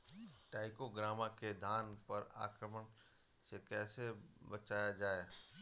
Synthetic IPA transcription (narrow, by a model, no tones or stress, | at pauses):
ʈaːɪkoɡɾaːmaked̪ʱaːnpɐɾa̰ːkɾəmən | sekɛːsebət͡ʃaːjad͡ʒaːe